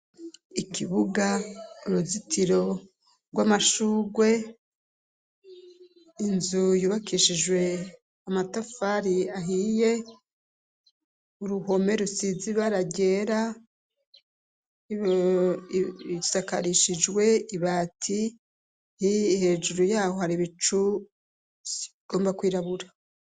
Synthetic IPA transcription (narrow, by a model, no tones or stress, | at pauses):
ikʰiβuɡauɾuzitʰiɾo̞ | ɡwamaʃuːɡwe̞ | inzujuːβakʰiʃid͡ʒwe̞ | amatafaɾiaɦije̞ | uɾuho̞me̞ɾusiziβaɾaɟe̞ːɾa | i | saka̰ɾiʃid͡ʒwe̞iβaːtʰi | hiːhe̞d͡ʒuɾujaːhohaɾiβit͡ʃu | ɡ̥o̞ːmbakwiːɾaβuɾa